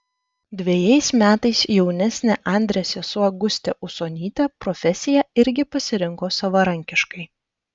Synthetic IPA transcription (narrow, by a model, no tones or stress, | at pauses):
d̪ʲʋʲejɛɪsmʲæːt̪ɐɪsjɛʊnʲɛsʲnʲeʔɑˑnʲd̪ʲɾʲɛsʲɛsʊɐɡʊsʲt̪ʲɛʔʊsoːnʲiːt̪ʲɛpɾɔfʲɛsʲɪjɛɪɾʲɡʲɪpɐsʲɪɾʲɪŋkoːsɐʋɐɾɐŋʲkʲɪʃkɐɪ